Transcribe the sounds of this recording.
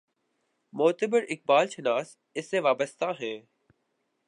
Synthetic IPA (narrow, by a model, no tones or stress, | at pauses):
moːt̪əbəɾɪk̚baːlʃɪnaːs | ɪsːeʋaːbəst̪aɦɛː